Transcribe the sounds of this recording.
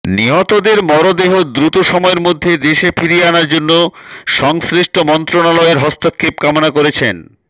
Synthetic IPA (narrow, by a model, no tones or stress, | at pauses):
niɦot̪od̪eɾmɔɾod̪eɦod̪ɾut̪oʃɔmɔeɾmod̪ʱːed̪eʃefʰiɾianaɾd͡ʑonːoʃɔŋsɾiʃʈʰomɔnt̪ɾonalɔeɾɦɔst̪ʰokʰːep̚kamonakoɾet͡ɕʰen